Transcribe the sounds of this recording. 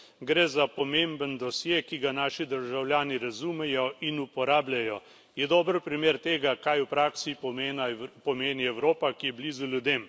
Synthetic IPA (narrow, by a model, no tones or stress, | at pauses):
ɡɾɛːzapɔmembənd̪ɔsjeːkiɡanaːʃid̪əɾʒawljaːniɾazumɛjɔinupɔɾaːblʲajɔ | jɛd̪ɔːbəɾpɾimeːɾt̪eːɡakajupɾaːksinpɔmeːniɛwɾoːpakijɛbliːzulʲjud̪em